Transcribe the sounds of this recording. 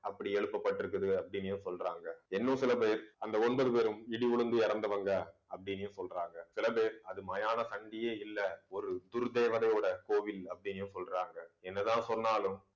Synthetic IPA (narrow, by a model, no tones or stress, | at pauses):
ɐpːɐɽiɛɻɯpːɐpːɐʈːɪɾɯkːɐðɯɐpːɐɽɪnjʊ̃sɔlraːŋɡɐɛnːɯ̃sɪlɐp̬eːɾɐnd̪ɐɔnbɐðɯpeːɾɯmɪɽiʋɔɭɯnd̪ɯɪɾɐnd̪ɐʋɐŋɡɐɐpːɐɽɪnɪjɯ̃sɔlraːŋɡɐsɪlɐpeːɾɐðɯmɐjaːnɐsɐɳɖɪjeːɪlːɐɔɾɯd̪ʊɾd̪eːʋɐðɐɪjoːɽɐkoːʋɪlɐpːɐɽɪnɪjɯ̃sɔlraːŋɡɐɛnːɐðãːsɔnːaːlɯm